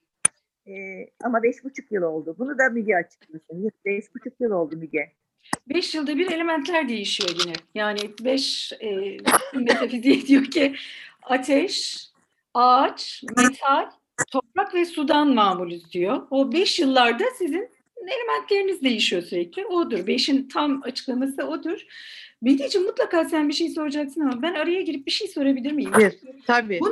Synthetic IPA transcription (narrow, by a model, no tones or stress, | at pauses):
ɛːamabɛʃbut͡ʃʰukjɯlˠo̞lˠd̪ʊbunud̪amid̪jɛat͡ʃʰɯ̥klˠiosunjɯbɛʃbut͡ʃʰukjɯlˠo̞lˠd̪umiɟɛ | bɛʃjɯlˠd̪abiɾe̞lʲe̞mænt̪ʰlʲæɾd̪e̞jiʃijo̞ɟinɛjaːnɪbɛʃɛːnme̞t̪ʰafizid̪ijo̞cʰiat̪ʰɛʃ | aːt͡ʃme̞t̪ʰalʲ | t̪ʰo̞pɾakvɛsud̪anmaːmulʲyzd̪ijoobɛʃjɯlˠːaɾd̪asizin | e̞lʲe̞mænt̪lʲe̞ɾinizd̪e̞jiʃijo̞syɾɛclʲɪod̪uɾbe̞ʃint̪ʰamat͡ʃʰɯ̥klˠamasɯod̪uɾ̥bid̪iːd͡ʒimut̪lˠakaːsænbiʃejso̞ɾad͡ʒaksɯnamabænaɾajaɟiɾip̚biʃejso̞ɾabilʲiɾmijimɛt̪ʰabiːbu